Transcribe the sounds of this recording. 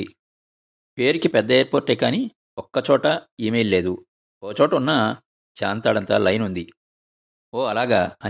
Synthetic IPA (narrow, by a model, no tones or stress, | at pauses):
pe̞ːɾikipɛd̪ːɐeːɾpoːɾʈːɛːkaːni | ɔkːɐt͡ʃɔːʈɐiːmejlle̞ːd̪u | oːt͡ʃɔːʈɐunːɐ | t͡ʃaːnt̪aːɽɐnt̪aːlɐjnund̪i | oːɐlaːɡa̰ːɐ